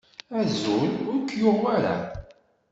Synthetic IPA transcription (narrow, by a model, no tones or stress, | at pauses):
æzulʊɾkːjʊʁaɾa̰